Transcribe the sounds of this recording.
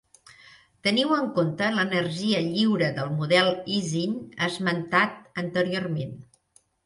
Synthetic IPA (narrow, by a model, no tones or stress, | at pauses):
t̪əniwəŋkont̪ələnərʒiəʎiwɾəðəlˠmuðɛlˠizinəzmənt̪at̪̚ənt̪əɾiormen